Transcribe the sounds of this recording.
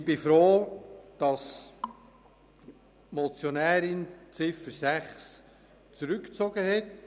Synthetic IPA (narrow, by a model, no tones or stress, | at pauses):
b̥ɪfɾoːd̥ɑs | mɔt͡sjonæːɾɪnt͡sɪfəɾsæχs | t͡suɾʏkt͡sɔɡ̥əhɛt